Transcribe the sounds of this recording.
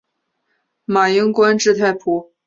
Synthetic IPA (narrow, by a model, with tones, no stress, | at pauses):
ma˨˩ji˥ŋkwa˥nʈ͡ʂɻ̩˥˧t̪ʰa˥˩ɪpʰu˧˩˥